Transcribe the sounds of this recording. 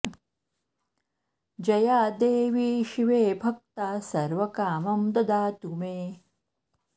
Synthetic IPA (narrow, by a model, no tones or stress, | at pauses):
d͡ʒɐjaːd̪eːʋiːʃiʋeːbʱɐk̚t̪aːsɐɾʋɐkaːmɐmd̪ɐd̪aːt̪umeː